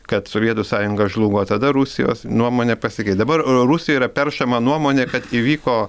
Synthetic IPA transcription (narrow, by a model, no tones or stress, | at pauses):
kɐt̪soːʋʲiɛt̪usɑːjʊŋɡɐʒlˠuːɡoːt̪ɐd̪ɐɾusʲɪjo̰ːsnuɔmoːnʲeːpɐsʲɪkʲɛɪt̪d̪ɐbɐrɾusʲɪjoiːɾɐpʲɛrʃɐmɐnuɔmoːnʲeːkɐt̪iʋʲiːkoː